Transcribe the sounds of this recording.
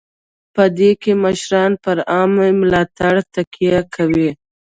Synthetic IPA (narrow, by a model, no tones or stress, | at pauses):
pəd̪ekeməʃɾɑnpəɾɑmemlɑt̪aɽt̪akijakʰawi